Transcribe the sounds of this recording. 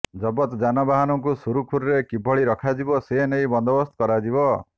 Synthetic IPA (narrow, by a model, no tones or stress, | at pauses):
d͡ʒɔbɔt̪d͡ʒanabaɦanɔŋkusuɾukʰuɾɾekibʱɔɭiɾɔkʰad͡ʒibɔsenejbɔnd̪ɔbɔst̪ʰɔ̥kɔɾad͡ʒibɔ